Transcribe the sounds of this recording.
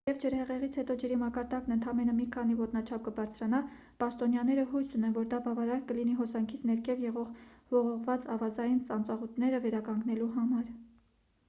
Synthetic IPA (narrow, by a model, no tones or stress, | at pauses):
jɛvd͡ʒəɾhɛʁɛʁit͡sʰhɛt̪ɔd͡ʒəɾimɑkɑɾd̪ɑknənt̪ʰɑmɛnəmikʰɑn̪ivɔt̪nɑt͡ʃʰɑp̚ʰkəbɑɾt͡sʰɾɑnɑ | pɑʃt̪ɔnjɑnɛɾəɦujsunɛnvɔɾd̪ɑbɑvɑɾɑɾkəliniɦɔsɑŋkʰit͡sʰnɛɾkʰɛvjɛʁɔʁvɔʁɔʁvɑt͡sɑvɑzɑjint͡sɑnt͡sɑʁut̪nɛɾəvɛɾɑkɑŋɡnɛluɦɑmɑɾ